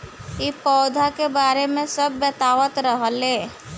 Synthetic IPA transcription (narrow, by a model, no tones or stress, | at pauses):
ipɔːd̪ʱakebaːɾemẽsəbːət̪aːʋət̪ɾəɦəleː